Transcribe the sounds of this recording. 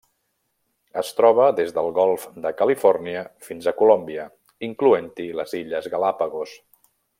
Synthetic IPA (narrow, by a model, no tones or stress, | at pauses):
əst̪ɾɔβ̞əðezðəlˠɣɔlˠfd̪əkəlifɔɾniəfinzəkulombiə | iŋkluent̪iləziʎəzɣəlapəɣos